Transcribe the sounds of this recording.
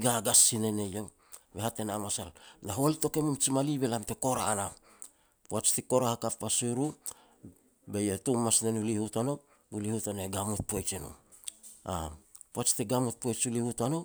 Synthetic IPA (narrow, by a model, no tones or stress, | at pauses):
ɡaɡasineneje | βehate̞namasalnaɦolito̞kemumt͡ʃimaliβelamteko̞ɾa̰ːna | poat͡ʃtiko̞ɾahakapːasuɾu | bejetumːasnenulihutano | ulihutaneɡamut̚pojt͡ʃino̰ | a̰poat͡ʃtiɡamut̚pojt͡ʃulihutano